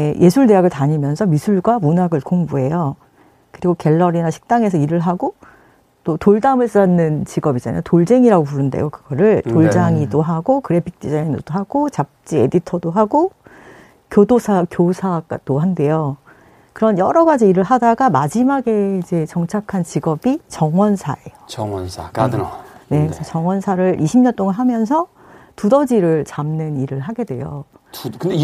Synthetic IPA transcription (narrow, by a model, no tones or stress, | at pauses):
ejʔe̞sʰuɭne̞jaɡɯɭtaɲimjʌnsʰʌmisʰuɭɡwamunaɡɯɭkoŋbuɦe̞jo | kɯɾiɡoke̞ɭːʌɾinaɕʰi̥k̚t͈aŋe̞s̬ʰʌiɾɯɭɦaɡo | t͈otoɭdamɯɭs͈ʌnːɯnt͡ɕiɡʌbid͡ʑa̰na̰jotoɭd͡ʑe̞ŋiɾaɡopuɾɯndḛjokɯɡ̥ʌɾɯɭtoɭd͡ʑaŋidoɦaɡokɯɾe̞pʰi̥k̚t͈id͡ʑaiŋndod̥oɦaɡot͡ɕap̚t͡ɕ͈iḛditʰʌdoɦaɡo | kjodosʰakjosʰaɡa̰d̥oɦande̞jo | kɯɾʌnjʌɾʌɡad͡ʑiːɾɯɭɦadaɡamad͡ʑimaɡe̞id͡ʑe̞t͡ɕʌŋt͡ɕʰakʰant͡ɕiɡʌbit͡ɕʌŋwʌnsʰa̰e̞jot͡ɕʌŋwʌnsʰa̰kane̞kɯɾɯsʰʌt͡ɕʌŋwʌnsʰaɾɯɭʔiɕʰimɲʌnt͈oŋanɦamjʌns̬ʰʌ | tudʌd͡ʑiɾɯɭt͡ɕamnɯniɾɯɭɦaɡe̞dwe̞̰jo̰kɯd